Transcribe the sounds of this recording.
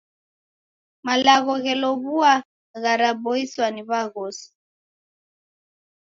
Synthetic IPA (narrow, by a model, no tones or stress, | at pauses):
malaɣɔɣɛlɔβua | ɣaɾaɓɔiswaniβaɣɔsi̥